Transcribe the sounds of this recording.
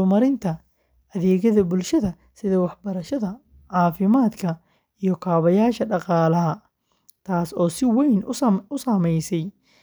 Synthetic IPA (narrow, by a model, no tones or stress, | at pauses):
mɐɾɪnt̪ʰɐ | ɐðɛːɣɐðɐbʊlʃɐðɐ | sɪðɐwɑħbɐɾɐʃɐðɐ | ʕɑːfɪmaːd̪kʰɐ | ijɞkʰaːβɐjaːʃɐɖɑqɑːlɐɦɐ | t̪ʰaːsɔːsɪwɛjnʊsɐmɛjsɛj